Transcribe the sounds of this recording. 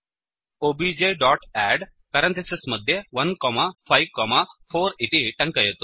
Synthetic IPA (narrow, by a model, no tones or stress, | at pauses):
obid͡ʑeɖɔʈæɖ | kaɾəɳt̪esesməd̪ʱːjeʋənkɔmafajʋkɔmafoɾit̪iʈə̃ŋkəjet̪o̥